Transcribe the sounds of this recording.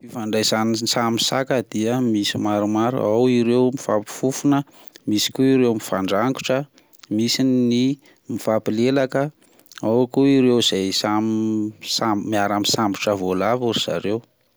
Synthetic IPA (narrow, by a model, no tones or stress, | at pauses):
fifaɳɖ͡ʐajzaninnisamisakəd̪̥iəmisimaɾumaɾṵawiɾewmifapi̥fufunə | misi̥kuiɾewmifaɳɖ͡ʐaŋɡu̥ʈ͡ʂə | misinːi | mifapilelakə | awakuiɾewz̥ajsamsamiaɾamisambuʈ͡ʂəvolavuɾiz̥a̰ɾew